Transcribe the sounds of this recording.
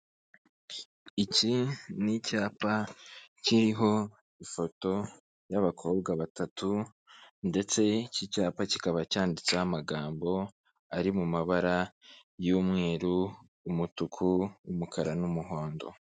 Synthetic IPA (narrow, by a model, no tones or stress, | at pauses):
icinicaːpaciɾiɦo̞ | ifo̞to̞ | jaβakʰo̞ːbɡaβatatʰu | nde̞t͡se̞cicaːpacikaβacaːndit͡saamaɡaːmbo̞ | aɾimumaβaɾajumŋe̞ːɾuː | mutukʰuːmukʰaɾanumuɦo̞ːndo̞̰